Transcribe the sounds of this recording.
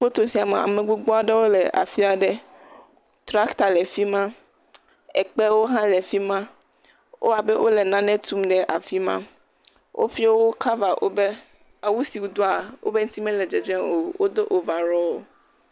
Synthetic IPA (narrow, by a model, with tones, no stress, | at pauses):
k͡po˦t̪o˨si˨a˨me˨a̰˨mẽ˨ɡ͡bu˦ɡ͡bɔ˦a˦ɖe˦wo˦lɛ˨ʔa̰˨fi˦a˨ɖe˦ | t̪ɾa˦kt̪a˨lɛ˨fi˦mã˦ | ɛ˨k͡pe˦wo˦ɦã˦lɛ˨fi˦mã˦ | wʔo̰˦a˨be˦wʔo˦le˨nã˦nɛ̃˦t̪u˦mɖɛ˨ʔa˨fi˦mã̰˦ | wʔo̰˦ɸi˦o˦wo˦ka˦va˨ʔo̰˦be˦ | a˨wu˦si˨wu˨d̪o˦a˨wo̰˦be˦ŋ̩˦t̪i˦mɛ̃˦lɛ˨d͡ʒɛ˨d͡ʒɛ̃˦o˨wo˦d̪o˦ʔo˨va˨ɾɔ˦wo˨